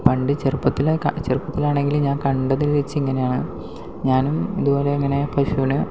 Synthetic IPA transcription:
pɐɳɖɨt͡ɕerpːɐt̪ːilakt͡ɕerpːɐt̪ːilaːɳe̞ŋɡilumɲaːnkɐɳɖɐðilʋet͡ɕːɨiŋːɐnejaːɳɨ | ɲaːnumiðubo̞ːle̞ɐŋːɐne̞pʰɐʂunɨ

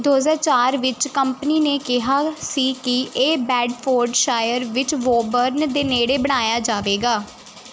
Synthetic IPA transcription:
d̪oːzəːɾt͡ʃaːɾʋɪt͡ʃkəmpəniːneːkɪɦaːsiːkɪeːbɛːɖpʰoːɾɖʃaːjəɾʋɪt͡ʃʋoːbəɾnd̪eːneːɽeːbəɽ̃aːjaːd͡ʒaːʋeːɡaː

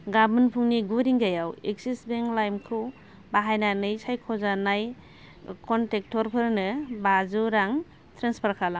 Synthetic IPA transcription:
ɡabɯnpʰuŋniɡuɾiŋɡajawek̚sisbeŋlajmkʰɯw | baɦajnanɯjsajkʰɔzanaj | kʰɔntek̚tʰɔɾpʰɯɾnɯbazuɾaŋ | tʰɾenspʰaɾkʰalaŋ

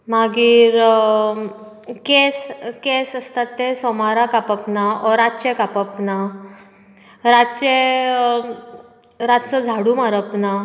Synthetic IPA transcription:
maɡiːɾ | keskesəst̪at̪ːesɔmaɾakapəpnaɔɾatt͡ɕekapəpna | ɾat͡ɕe | ɾatsɔd͡zʱaɽumaɾəpna

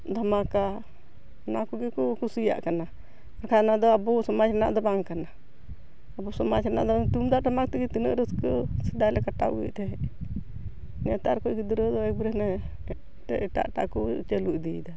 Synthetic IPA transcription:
d̪ʱamaka | nakuɡikukusija̰ʔkana | aɾkʰanad̪ɔabusɔmad͡ʒɾɛna̰ʔd̪ɔbaŋkana | abusɔmad͡ʒɾɛna̰ʔd̪ɔt̪umd̪ad̪amak̚t̪iɡit̪inəʔɾəskəsid̪ajlɛkaʈa̰ʔɡḭʔt̪ɛ | nɛt̪aɾkɔʔɡid̪uɾod̪ɔɛk̚bɾɛnɛ | ʈɛʔiʈa̰ʔʈa̰ʔkut͡ʃeluʔd̪id̪a

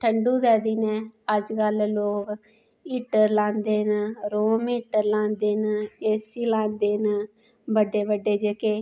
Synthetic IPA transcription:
ʈʰəɳɖuːd̪ɛːd̪iːnɛ̃ːəd͡ʒkəlloːk | iːʈəɾlãːnd̪eːnɾoːmiːʈəɾlãːnd̪eːneːsiːlãːnd̪eːn | bəɖeːʋəɖːeːd͡ʒəkeː

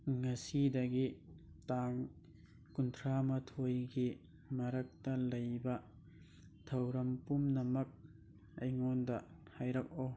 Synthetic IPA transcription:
ŋɐsidɐɡi | taŋ | kuntʰɾamɐtʰojɡi | mɐɾɐk̚tɐlɐjbɐ | tʰɐwɾɐmpumnɐmɐk̚ | ɐjŋɔndɐ | hajɾɐk̚ɔ

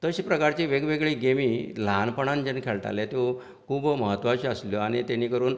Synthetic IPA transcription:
t̪əɕipɾəkaɾt͡ɕiːʋeɡʋeɡɭiːɡemiːlanpəɳ̃and͡ʑenkʰeɭt̪a̰lɛt̪o | kʰuːbməɦət̪ːʋaɕiəsljɔaɽ̃it̪eniːkəɾuːn

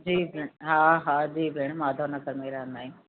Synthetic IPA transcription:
d͡ʒiːbʱeɳɦãːɦãːd͡ʒiːbʱeɳ̃maːd̪ʱoːɾnəkəɾmeːɾanaĩː

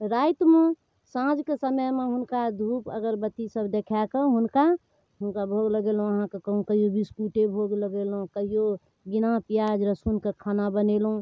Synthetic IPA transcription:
ɾaɪt̪mẽ | sãd͡ʒkesəməjmeɦʊnkad̪ʱuːpə̰ɡəɾbət̪isəbd̪ekʰakeɦʊnka | ɦʊnkabʱoɡləɡelõəɦãkekəɦũkəɦijobispuʈebʱoɡləɡelɦõkəɦijo | ɡinapijad͡ʒɾəsunkekʰaːnabənelɦũ

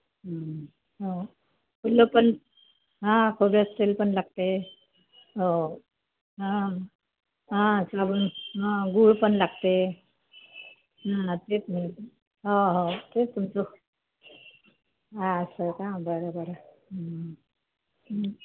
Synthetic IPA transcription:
ɦa | ɦo | kulopən | ɦãkʰobiəst̪elpəɳlaɡ̚t̪e | ɦo | ɦã | ɦãsabunɦãɡuɭpəɳlaɡt̪e | ɦãt̪et͡sm̤əɭt̪ | ɦoɦot̪et̪umt͡so | ɦaəsəkãbəɾobəɾ | ɦ

